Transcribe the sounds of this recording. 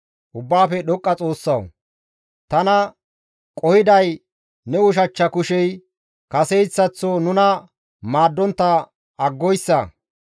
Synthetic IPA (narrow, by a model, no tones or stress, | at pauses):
ʔʊbːaːfɛɗɔkʼːɐt͡sʼo̞ːsːɐw | t̪ɐnɐ | kʼɔhɪd̪ɐj | nɛwʊʃ̬ɐt͡ʃːɐkʊʃɛj | kɐsɛjt͡sːɐt͡sːonʊnɐ | maːd̪ːɔnt̪ːɐ | ɐɡːɔjsːɐ